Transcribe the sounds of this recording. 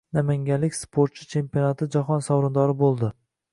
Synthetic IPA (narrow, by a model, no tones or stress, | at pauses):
namaŋɡʲalɪkʲspʰoɾt̪̚t͡ʃʰɪ̥t͡ʃʰe̞mpionat̪ʰɪd͡ʒaχɒnsawɾʊnd̪ɒɾɪbolˠd̪ɪ